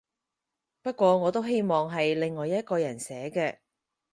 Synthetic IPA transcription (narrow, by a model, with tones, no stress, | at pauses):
pɐ˥t̚kʷɔː˧ŋɔː˨˧t̪o˥wɦe˥jmɔː˨ŋɦɐ˨jlɪ˨ŋːɔː˨jɐ˥t̚kɔː˧jɐ˨˩nsɛː˨˥kɛː˧